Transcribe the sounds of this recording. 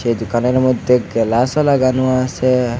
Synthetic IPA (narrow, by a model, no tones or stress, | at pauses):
ʃed̪ukaneɾmɔd̪ʱjeɡelasɔlaɡanuase